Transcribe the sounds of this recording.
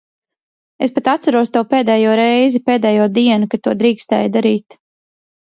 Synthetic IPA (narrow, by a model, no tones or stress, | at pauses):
espat̪at̪saɾuɔst̪awpeːd̪ɛːjuɔɾɛjzipeːd̪ɛːjuɔd̪iɛnukat̪uɔd̪ɾiːkst̪ɛ̰ːjd̪aɾiːt̪